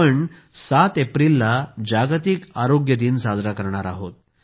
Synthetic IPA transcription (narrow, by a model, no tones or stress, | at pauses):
əɳ | sat̪epɾilːad͡ʑaɡt̪ikaɾoɡjəd̪iːnsad͡z̪ʱɾakəɾɳ̃aɾa̰ɦot̪̚